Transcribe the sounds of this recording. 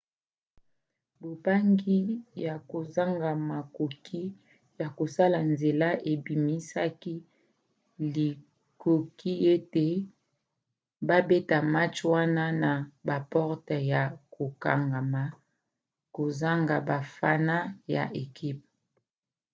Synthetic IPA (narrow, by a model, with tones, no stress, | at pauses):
bo˨ba˦ŋɡi˦ja˨ko˨za˦ŋɡa˨ma˨ko˨kʰi˦ | ja˨ko˨sa˦la˨nze˨la˦ʔe˨bi˨mi˦sa˦ki˦ | li˨ | ko˨kʰi˦e˦te˨ | ba˦be˦ta˨ma˦t͡ʃwa˦na˦na˨ba˨pɔ˦ʁtɛ˨ja˨ko˨ka˨ŋɡa˨ma˨ | ko˨za˦ŋɡa˨ba˨fa˦na˦ja̰˨ʔe˨ki˦p̚